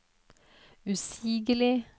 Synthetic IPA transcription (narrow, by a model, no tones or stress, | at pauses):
ʉsiːɡəlɪ